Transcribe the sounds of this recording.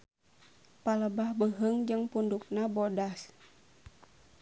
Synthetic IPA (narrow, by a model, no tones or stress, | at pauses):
paləbahbəɦəŋd͡ʒəŋpunduk̚nabodas